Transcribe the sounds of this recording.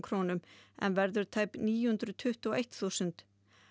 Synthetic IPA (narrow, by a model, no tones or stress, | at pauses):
kʰɾoːnʏmʔɛ̰nvɛɾðʏɾt̪ʰaːjpniːjhʉnt̪ɾʏt̪ʰʏht̪uɔʔejht̪θusʏnt̪